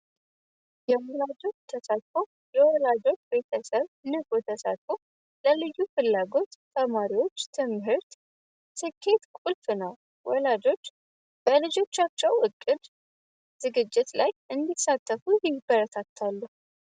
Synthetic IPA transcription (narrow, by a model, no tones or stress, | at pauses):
jɛwɔlad͡ʒo̞t͡ʃːt̪ʰəsat̪fo | ləwɔlad͡ʒo̞t͡ʃːbe̞t̪ʰəsəβnəɡot̪ʰəsa̰t̪fo | ləlɨjːufɨlːaɡo̞t̪t̪ʰəmaɾiwo̞t͡ʃːt̪ʰɨmɦɨɾt̪ | sɨkʰːe̞t̪kʼulfɨnəw | wɔlad͡ʒo̞t͡ʃː | b̥əlɨd͡ʒo̞t͡ʃːat͡ʃːɛwʔɨkʼːɨd̪ | z̥ɨɡɨd͡ʒːɪt̪lajɨnd̪isat̪ʰːəfujɪbəɾət̪ʰat̪ʰːalːuh